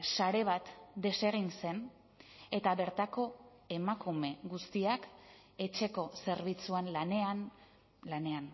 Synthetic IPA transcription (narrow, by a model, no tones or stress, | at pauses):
saɾe̞βat̪d̪e̞se̞ɣ̞inse̞n | e̞t̪aβe̞ɾt̪ako̞ | e̞makume̞ɣust̪iak | e̞t͡ʃe̞ko̞se̞ɾβit͡suanlanean | lane̞an